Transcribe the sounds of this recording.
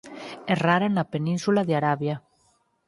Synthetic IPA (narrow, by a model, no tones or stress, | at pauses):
ɛraɾanapenĩnsulaðeaɾaβja